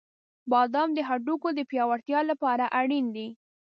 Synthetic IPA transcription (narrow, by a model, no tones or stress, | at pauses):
bɑd̪ɑmd̪əɦaɖukod̪əpjɑwaɽt̪jɑlapɑɾaʔaɽind̪i